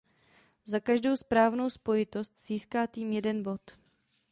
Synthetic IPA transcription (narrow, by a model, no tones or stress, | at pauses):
zakaʒdo̞wspɾaːvno̞wspo̞jɪt̪o̞st̪z̥iːskaːt̪iːmjɛdɛnbo̞t̪